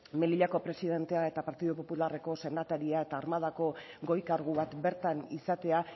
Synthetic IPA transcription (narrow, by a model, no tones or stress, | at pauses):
me̞liʎako̞pɾe̞siðe̞nt̪e̞ae̞t̪apaɾt̪iðupo̞pulare̞ko̞se̞nat̪aɾiae̞t̪aːɾmaðako̞ɡo̞jkaɾɣuβat̪be̞ɾt̪anisat̪e̞a